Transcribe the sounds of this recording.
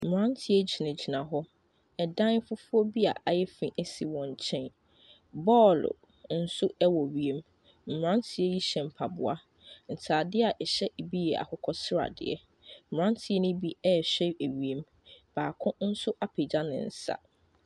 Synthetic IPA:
m̩˨ɾã˦n˦tʰɪ˦ɛ˦d͡ʑi˨nã˨d͡ʑi˨nã˨ɦɔ˦ | ɛ˨dã˦n˦fʊ˦fʊ˦ɔ˦bi˦a̰˨ʔa˨jɛ˦fĩ˨ʔɛ˦si˨wɔ̃˨ɲ˨t͡ɕʰɛ̃˦˨n | bɔː˦˨l̰ | n̩˦sʊ˦ɛ˦wɔ˨ɥi˨e˨m | m̩˨m˨ɾã˦n˦tʰɪ˦ɛ˦ji˦ɕɛ̃˨m̩˨pʰa˨bʊ̰˨a̰˦ | n̩˨tʰaː˨dɪ˦a˨ʔɛ˨ɕɛ˦ʔe˨bi˦jɛ˨a̰˨hʊ˦kʰɔ˦sɪ˦ɾa̰˨dɪ̰˨ɛ̰˨ | mm̩˨ã˦n˦tʰɪ˦ɛ˦nɪ̃˦bi˦ɛ˦˨ɕᶣɛ˦e˨ɥi˨e˨m | b̥aː˨kʰʊ̃˦n̩˦sʊ˦ʔa˦pʰe˨d͡ʑa˦nɪ̰̃˨n̩˦sa̰˨

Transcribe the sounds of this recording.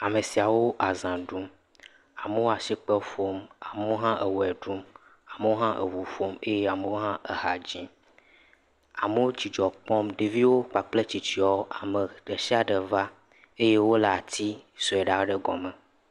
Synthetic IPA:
a˨me˨si˨a˨wo˦ʔa˨zã˨ɖu˦m | a˨mə˦wo˦a˨si˦k͡pə˦fo˦ma˨me˨˦wo˦ɦã˦ʔe˨wɛ˨ɖu˦m | a˨me˨˦wo˦ɦã˦ʔḛ˨wu˨fo˦me˦je˦a˨me˨wo˦ɦã˦ʔe˨ɦa˨d͡ʑĩ˦ | a̰˨mə˦wo˦t͡ɕi˨d͡ʒɔ˨k͡pɔ˦mɖe˨vi˦wo˦k͡pa˨k͡ple˦t͡ɕi˨t͡ɕi˦ɔ˦a˨mə˨ɖe˨si˦a˨ɖə˨va˦ | e˦je˦wo˦la˨t̪i˦sɔ˨ɛ˨ɖa˨˦ɖə˦ɡɔ̰˨mɛ˨

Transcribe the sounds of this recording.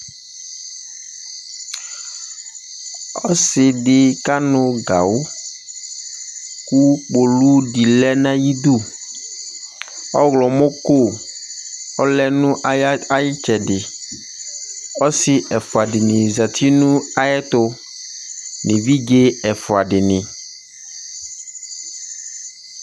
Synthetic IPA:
ɔ˦sɪ˨dɪ˨ka˦nʊ˨ɡa˨wo˦ | ku˦k͡po˨lu˦di˨lɛ˦nã˦ji˦d̪u˦˨ | ɔ˦ɣlɔ˨mo˦ko˦ | ɔ˦lɛ˦nũ˦a˦jɪ˦t͡ʃɛ˨dɪ˨ | ɔ˦sɪ˨ʔɛ˨fʊ˨a˨dɪ˨nɪ̃˨za˨t̪i˦nũ˦a˨jɛ˦t̪ʊ˦ | nɪ˨vi˦ɡe˦ɛ˨fʊ˨a˨ɖɪ˨nɪ̃˨

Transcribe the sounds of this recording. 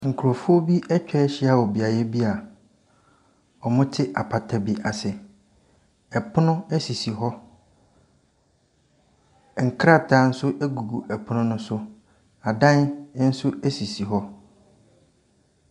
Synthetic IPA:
ŋ̩˨kʰu˨ɾo˨fʊ˦o˦bi˦ʔɛ˦t͡ɕᶣɛ˦ɛ˦ɕɪ˦a˨wɔ˨bi˨a˨jɛ˦bi˦a˨ | ɔ˨mʊ̃˦tʰɪ˦ʔa˨pʰa˨tʰa˨bi˦ʔa˨sɪ˨ | ɛ˨pʰʊ˦nʊ̃˦ɛ˦si˨si˨ɦɔ˦ | ŋ̩˨kʰɾa˦˨tʰaː˨˦n̩˦sʊ˦ʔɛ˦ɡu˨ɡu˨ʔɛ˨pʰʊ˦nʊ̃˦nʊ̃˦sʊ˦ | a˨dã˦n˦n̩˦sʊ˦ɛ˦si˨si˨ɦɔ˦

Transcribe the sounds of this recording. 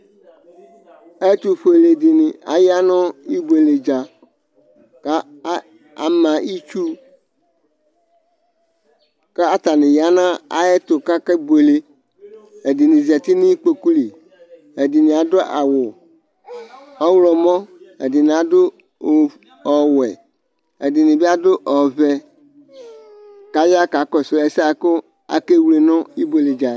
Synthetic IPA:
e˦t̪u˨ɸe˨le˨dɪ˨nɪ˨a̰˨ja˦nʊ̃˦i˦be˨le˨d͡ʒa˨ | ka˦ | a̰˨mã˨i˦t͡ʃu˦ | kɛ˦a˦t̪a˨nɪ̃˨ja˦nã˦a̰˨jɛ˦t̪ʊ˨ka˦kɛ˦be˨le˦ | e˨di˨nɪ̃˨zi˨ɛ˨t̪ɪ˦nɪ̃˦k͡pe˨ku˦li˨ | e˨di˨nɪ̃˨a˨dɔ˦ʔa̰˨wʊ˨ | ɔ˦wlɔ˨mɔ̃˦ɛ̰˨dɪ˨nɪ̃˨a˨dʊ˦˨ | ɔ˨wɛ˨ | e˨dɪ˨nɪ̃˨bi˦a˦dʊ˦ʔɔ˨vɛ˨ | ka˨ja˦ka˨kɔ˨sʊ˨˦ɛ˨˦sa˨kʊ˦ | a̰˨ke˦wu˦le˨nɔ̃˦i˦bo˨le˨d͡ʒa˨

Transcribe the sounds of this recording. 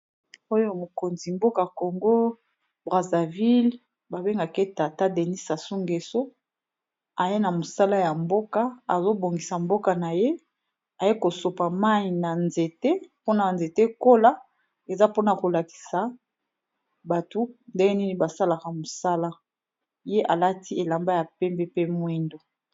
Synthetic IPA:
o˦jo˦mo˨ko˨nzi˨mbo˦ka˨ko˨ŋɡo˦ | bʁa˨za˨vi˦l | ba˨be˦ŋɡa˨ke˦ta˨ta˦de˨ni˦sa˨su˦ŋɡe˨so˦ | a˨je˦na˨mo˨sa˦la˦ja˨mbo˦ka˦a˨zo˦bo˨ŋɡi˨sa˨mbo˦ka˨na˨je˦ | a˨je˦ko˨so˨pa˨ma˦i˨na˨nze˨te˦po˦na˨nze˨te˦ko˦la˦ | e˨za˦po˦na˨ko˨la˨ki̥˨sa˨ | ba˨tu˦nde˦ni˦ni˨ba˨sa˦la˨ka˨mo˨sa˦la˦ | je˦ʔa˨la˦ti˦e˨la˨mba˦ja˨pɛ˦mbɛ˦pe˦mwi˦ndo˨

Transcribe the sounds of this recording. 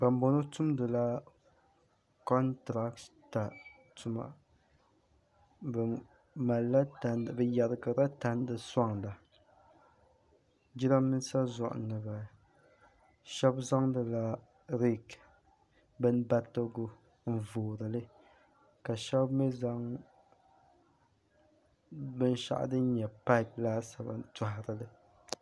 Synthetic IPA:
ba˨m˦bo˨no˦tu˦mdɨ˨la˦ | kɔ˦ntɾa˦k̚tta˨ | tʊ˨ma̰˨ | bɨ˨ | ma˨lːa˦ta˨n˨bɨ˨ja˨ɾɨ˨ɡa˨ɾa˦ta˦n˦dɨ˨sa˦ŋla˨ | d͡ʒi˦ɾa˦mɨ˦n˦sa˦zʊ˨ʔʊ̰˨nɨ˨ba˨ | ʃɛ˦bza˦ŋdɨ˨la˦ | ɾi˦k | bɨ˦nba˦tːo˦ɡʊ˦ | m̩˨voː˨ɾɨ˨lɨ˦ | ka˨ʃɛ˦bmɛ˦za˦ŋ | bɨ˦n˦ʃa̰˦ʔa̰˨˦dɨ˦n˦ɲɛ˨pa˦˨plaː˦sa˨ba̰˨ta˨ɦɪ˨ɾɨ˨lɨ˦

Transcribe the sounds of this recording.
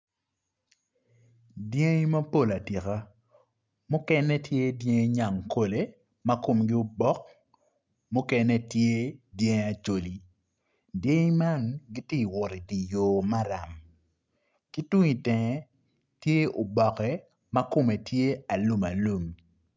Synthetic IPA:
dje˦ŋ˦ma˦po˦˨la˨ti˨ka˦ | mʊ˦kɛ˦nɛ˦tje˦dje˦ŋ˦ɲa˨ŋkʰo˨le˦ | ma˦ko˨mɡɪ˦ʊ˦bɔ˦k̚ | mʊ˦kɛ˦nɛ˦tje˦dje˦ŋ˦a˨t͡ʃo˨li˨ | dje˦ŋ˦ma˦nɡi˦ti˦˨wʊ˨ɾi˨di˨joː˨ma˦ɾa˨m | ki˦twu˦ŋi˨tɛ˨ŋɛ˦ | tje˦ʊ˨bɔ˨kɛ˦ | ma˦kʊ˦˨mɛ˨tʰje˦a˨lu˦ma˨lu˨m

